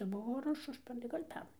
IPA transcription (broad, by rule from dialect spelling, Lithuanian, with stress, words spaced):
ˈbʊʋoː ɐr ˈʊʃ ˈʊʃʲpʲɛrnɐɪ ˈɡɐlʲ ˈpʲɛrnɐɪ